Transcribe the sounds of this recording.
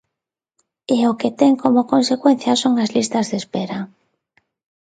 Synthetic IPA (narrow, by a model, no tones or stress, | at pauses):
ɪoket̪ɛŋkomokonsekwen̟θjɐsoŋazlist̪azðespeɾa